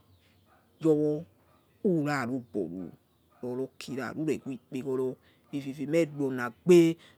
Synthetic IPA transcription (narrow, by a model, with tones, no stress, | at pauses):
jɔ˧wɔ˧ | u˦˨ɾa˦˨ɾu˦˨bɔ̰˨ɾṵ˨ | ɾɔ˨˧lɔ˧kʰi˧ɾa̰˨ɾu˨˦ɛ̰˨ku˦i˦˨k͡pe˧kɔ˧lɔ˧ | fi˧fi˧fi˧mɛ˦˨dɔ˧˨na˨ɡ͡be˦